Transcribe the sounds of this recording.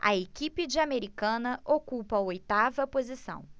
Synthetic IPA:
ɐ̰ekipɪd͡ʒiameɾikɐ̃nɐʔokupɐojt̪avɐpozisɐ̰̃w̃

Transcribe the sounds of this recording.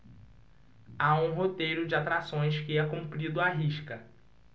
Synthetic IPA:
aũɦot̪ejɾʊd͡ʒɪat̪ɾasõj̃skɪɛkũmpɾid̪ʊaɦiʃkɐ

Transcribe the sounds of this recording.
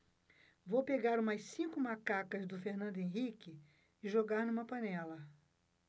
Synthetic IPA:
vowpeɡaɾũmɐssĩkʊmakakɐzd̪ʊfeɾnɐ̃nd̪ʊẽɦikɪ | ɪʒoɡaɾnũmɐpɐ̃nɛlɐ

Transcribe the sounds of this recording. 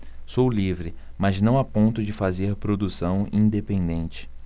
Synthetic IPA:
sowlivɾɪ | mɐznɐ̃w̃apõnt̪ʊd͡ʒɪfazeɾpɾod̪usɐ̃w̃ĩd̪epẽnd̪ẽnt͡ʃɪ̥

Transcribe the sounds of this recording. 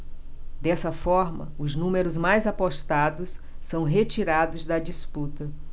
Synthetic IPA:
d̪ɛsɐfɔɾmɐ̰ʊznũmeɾʊzmajzapoʃt̪ad̪ʊsː | ɐ̃w̃ɦet͡ʃiɾad̪ʊzd̪ɐd͡ʒisput̪ɐ

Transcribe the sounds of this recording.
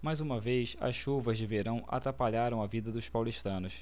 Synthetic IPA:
majzũmɐvejsɐ̰sʃuvɐzd͡ʒɪveɾɐ̃w̃a̰t̪ɾapaʎaɾɐ̃w̃ɐvid̪ɐd̪ʊspawliʃt̪ɐ̃nʊs

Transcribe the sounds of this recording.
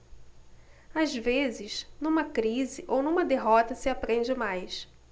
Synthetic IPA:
azvezɪznũmɐkɾizɪʔownũmɐd̪eɦɔt̪ɐsɪapɾẽnd͡ʒɪmajs

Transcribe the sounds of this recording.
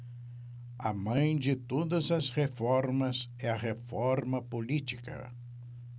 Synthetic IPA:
ɐ̰mɐ̃j̃d͡ʒɪt̪od̪ɐzɐzhefɔɾmɐz | ɛɐɦefɔɾmɐpolit͡ʃi̥kɐ̰

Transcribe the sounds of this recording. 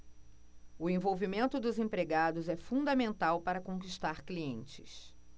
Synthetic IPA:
ʊẽvowvimẽnt̪ʊd̪ʊzẽpɾeɡad̪ʊzɛfũnd̪ɐmẽnt̪awpaɾɐkõkiʃt̪aɾkliẽnt͡ʃɪ̥̰s

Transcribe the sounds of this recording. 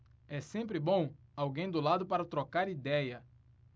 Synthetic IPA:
ɛsẽmpɾɪbõw̃awɡẽj̃d̪ʊlad̪ʊpaɾɐt̪ɾokaɾid̪ɛjɐ

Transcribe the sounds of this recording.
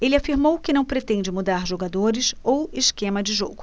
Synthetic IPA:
elɪafiɾmowkɪnɐ̃w̃pɾet̪ẽnd͡ʒɪmud̪aɾʒoɡad̪oɾɪsowɪskẽmɐd͡ʒɪʒoɡʊ

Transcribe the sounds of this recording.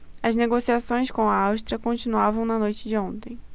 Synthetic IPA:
ɐzneɡosiasõj̃skõw̃ɐawʃt̪ɾiɐkõnt͡ʃinuavɐ̃w̃nɐnojt͡ʃɪd͡ʒɪõnt̪ẽj̃

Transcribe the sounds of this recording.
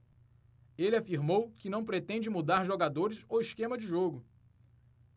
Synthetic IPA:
elɪafiɾmowkɪnɐ̃w̃pɾet̪ẽd͡ʒɪmud̪aɾʒoɡad̪oɾɪsoiʃkẽmɐd͡ʒɪʒoɡʊ

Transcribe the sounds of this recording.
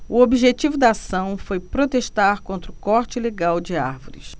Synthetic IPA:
ʊobiʒet͡ʃivʊd̪aasɐ̃w̃fojpɾot̪eʃt̪aɾkõnt̪ɾʊkɔɾt͡ʃɪleɡawd͡ʒɪa̰ɾvo̰ɾɪ̰s

